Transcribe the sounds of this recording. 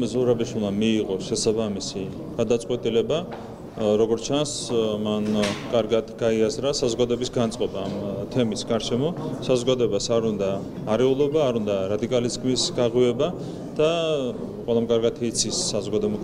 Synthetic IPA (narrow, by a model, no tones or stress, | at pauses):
zuɾabiʃwilˠmamiːʁɔʃɛsabamisi | ɡ̥ad̪at̪sʼqʼwɛt̪ʼilɛba | ɾɔɡɔɾt͡ʃʰansmankʼaɾɡad̪ɡaiazɾasazɔɡad̪ɔɛbisɡant̪sʼqʼɔbaːmt̪ʰɛmisɡaɾʃɛmɔsazɔɡad̪ɔɛbasaɾund̪aː | ɾɛulˠɔbaːɾund̪aɾad̪ikʼaliskmisɡaʁiɛba | d̪̥a | qʼwɛlˠamkʼaɾɡat̪ʰit̪sʰisːazɔɡad̪ɔɛb